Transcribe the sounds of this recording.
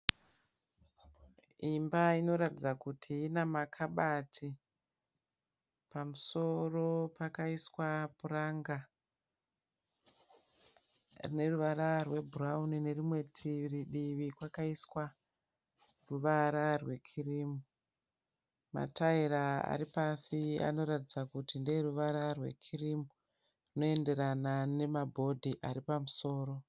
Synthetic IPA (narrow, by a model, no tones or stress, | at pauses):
imbaino̞ɾatid͡zakutʰiinamakʰaɓatʰi | pamuso̞ro̞pakaiswapuraŋɡa | rine̞ruʋaɾarwe̞bʱuraunine̞rimwe̞tʰiriɗiʋikwakaiswa | ruʋaɾarwe̞kʰirimu | ma̰taiɾaa̰ɾipasia̰no̞ɾatid͡zakutinderuʋaɾarwe̞̰kʰirimu | rino̞e̞nde̞ɾanane̞mabʱo̞dʱiʔaɾipamuso̞ːɾo̞